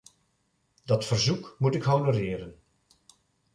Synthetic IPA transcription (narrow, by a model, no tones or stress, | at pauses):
dɑtfərzukmutɪkɦownoɾɪːɾən